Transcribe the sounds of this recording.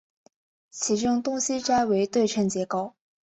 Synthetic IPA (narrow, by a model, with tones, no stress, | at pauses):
t͡ɕʰi˧˥ʈ͡ʂʊ˥ŋt̪ʊ˥ŋɕi˥ʈ͡ʂa˥ɪwe˧˥ɪt̪we˥˧ɪʈ͡ʂʰə˥˩nt͡ɕjɛ˧˥kɑ˥˩ʊ